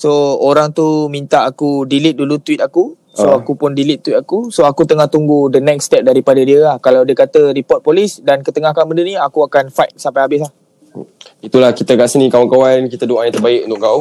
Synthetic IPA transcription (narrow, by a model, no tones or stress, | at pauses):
sooɾaŋt̪umĩnt̪aakudilɪt̪̚dulut̪wit̪̚aku | soakupʊndilit̪̚ːwit̪akusoakut̪əŋaht̪uŋɡudənɛkst̪ɛp̚daɾipadədiəlahkalawdəkat̪əɾipɔt̪̚polisdankət̪əŋahkanbəndəniakuakanfajt̪̚sampajhabɪs̬lah | it̪ulahkit̪aɡaʔsənĩkawankawankit̪ədoajãt̪ərbaɪkunt̪ʊʔkau